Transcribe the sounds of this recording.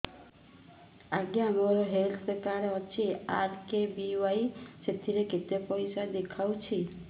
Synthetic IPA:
aɡjaːmɔɾɔɦelt̪ekaɾeɔt͡ʃʰiaɾkebiajset̪ʰiɾeket̪epɔjsad̪ekʰawt͡ʃʰi

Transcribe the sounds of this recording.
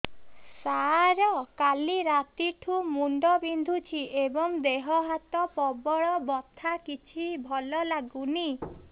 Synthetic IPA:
saɾɔkaliɾat̪iʈʰumuɳɖɔbind̪ʱut͡ʃʰiʔebɔŋd̪eɦɔɦat̪ɔpɔbɔɭɔbɔt̪ʰakit͡ʃʰibʱɔlɔlaɡuni

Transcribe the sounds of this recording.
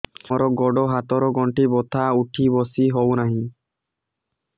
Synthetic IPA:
ɔɾɔɡɔɖɔɦat̪ɔɾɔɡɔɳʈibɔt̪ʰauʈʰibɔsiɦɔwnaɦĩ

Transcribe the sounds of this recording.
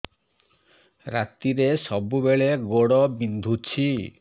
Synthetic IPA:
ɾat̪iɾesɔbubeɭeɡoɽɔbind̪ʱut͡ʃʰi

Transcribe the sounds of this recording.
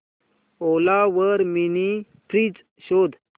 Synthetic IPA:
olaʋəɾmini | pʰɾit͡s | ɕod̪

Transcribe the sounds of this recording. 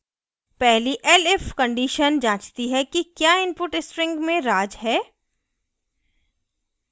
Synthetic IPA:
pɛɦliʔɛlɪfkə̃ɳɖiːʃənd͡ʒãːt͡ʃt̪iɦɛkikjaːɪ̃npʊʈɪspɾɪ̃ŋɡmẽɾaːd͡ʒɦɛː

